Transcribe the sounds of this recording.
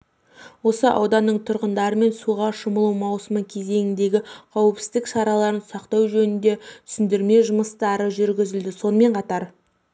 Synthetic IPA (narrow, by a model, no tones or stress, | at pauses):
wo̞səʔɑ̰wd̪ɑnːəɴt̪ʰʊɾʁənd̪ɑɾəme̞nsuʁɑʃəməlˠumɑwsəməkʲʰe̞ze̞ŋɪnd̪e̞ɡʲɪqʰɑwəpsɪzd̪ɪkʃɑɾɑlˠɑɾənsɑqt̪ɑwʒɵnɪnd̪e̞t̪ʰʏ̥sʏnd̪ɪɾme̞ʒʊməst̪ɑɾəʒʏɾɡʲɪzɪld̪ɪso̞nəme̞ɴqʰɑt̪ɑɾ